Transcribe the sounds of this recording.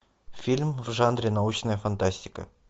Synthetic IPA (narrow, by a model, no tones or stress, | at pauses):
fʲilʲmvʐanɾʲɪnaut͡ɕnəjəfɐnt̪asʲtʲɪ̥kə̰